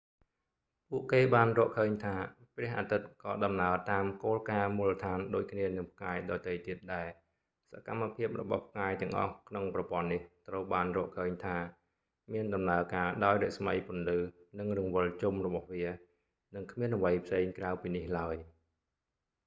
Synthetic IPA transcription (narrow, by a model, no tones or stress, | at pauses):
puəʔkeːɓaːnrɔəʔkʰəːɲt̪ʰaːprɛ̆əhʔaːt̪ɨt̪̚kɑːɗɑmnaət̪aːmkoːlkaːmuːlːət̪ʰaːnɗoːc̚kʰniənɨŋp̚ʰkaɛɗɑːt̪əjt̪iət̪̚ɗaɛl | sakamːapʰiəp̚rɔɓɑ̰hpʰkaɛt̪ɛ̆əŋʔɑ̰hkʰnoŋprɑpŏənːiht̪rəwɓaːnrɔːəʔkʰəːɲt̪ʰaː | miənɗɑmnaəkaːɗaɔjrɛ̆əʔsməjpʊ̆ənlɨːnɨŋrɨŋʋɨəlt͡ɕumrɔɓɑhʋiə | nɨŋkʰmiənʔaʋəjpʰseːŋkraəwpiːnihlaəj